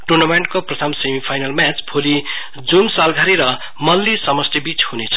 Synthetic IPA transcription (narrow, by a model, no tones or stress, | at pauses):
ʈurnʌmeɳʈ̚koprʌt̪ʰʌmsemipʰajnʌlmat͡spʰoli | d͡zunsalɡʱaɾiɾʌ | mʌlːisʌmʌst̪ebit͡shunet͡sʰʌ̥